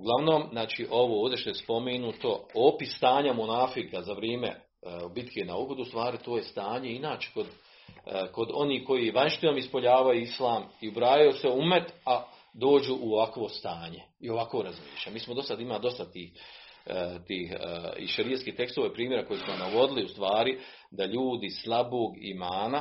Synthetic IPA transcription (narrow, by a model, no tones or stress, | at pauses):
uɡlˠaʋno̞ːmznaːt͡ʃiːʔo̞ʋooːʋd̪jeʃt̪ojespo̞menut̪o̞opisst̪aːɲamonaːfikazaʋɾeːmḛ | bit̪kʰenaoɡod̪uːst̪ʋaːɾit̪o̞ːjest̪aːɲe̞inaːt͡ʃe̥ko̞d̪ | ko̞d̪o̞niːko̞jijeʋaɲʃt̪inomispo̞ʎaːʋajuːislˠaːmiubɾaːjaose̞umet̪a | d̪o̞ːd͡ʑuːʔuoʋakʋo̞st̪aːɲe̞ | io̞ʋakʋoɾazmḭːʃamiːsmod̪o̞sad̪imad̪o̞st̪at̪iːh | t̪iːhḭʃeɾijat̪skiːht̪e̞kst̪oʋojpɾiːmjeɾako̞jesmonaɡo̞d̪iliust̪ʋaːɾi | d̪aʎuːd̪islˠaboːɡḭmaːna